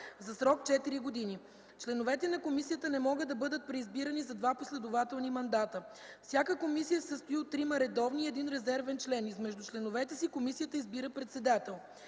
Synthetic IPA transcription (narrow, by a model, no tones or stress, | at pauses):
zɐsɾɔkt͡ʃɛt̪iɾiɡod̪ini | t͡ʃlɛnovɛt̪ɛnɐkomisijət̪ənɛmɔɡəd̪ɐbɤd̪ət̪̚pɾɛizbiɾənizɐd̪vaposlɛd̪ovat̪ɛlˠnimɐnd̪at̪ə | fsʲjakəkomisijəsəst̪oiot̪ːɾimɐɾɛd̪ɔvniɛd̪inɾɛzɛɾvɛnt͡ʃlɛnizmɛʒd̪ut͡ʃlɛnovɛt̪ɛsikomisijət̪əizbiɾəpɾɛt̪sɛd̪at̪ɛlˠ